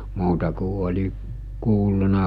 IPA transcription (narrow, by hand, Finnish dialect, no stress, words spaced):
muːtɑ ku olʲi kuːlːunɑ